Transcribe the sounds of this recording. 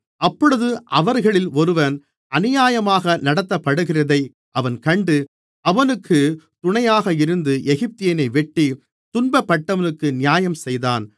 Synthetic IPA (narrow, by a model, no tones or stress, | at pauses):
ɐpːɔɽɯðɯʔɐʋɐɾɣɐɭɪlɔɾɯʋɐn | ɐnɪjaːjɐmaːɣɐnɐɽɐt̪ːɐpːɐɽɯɣɪrɐðɐɪ | ʔɐʋɐnkɐɳɖɯ | ɐʋɐnɯkːɯt̪ʊɳɐjaːɣɐɪɾɯnd̪ɯʔɛɣɪp̚t̪ɪjɐnɐɪʋɛʈːi | t̪ʊnbɐpːɐʈːɐʋɐnɯkːɯnɪjaːjɐmsɛjðaːn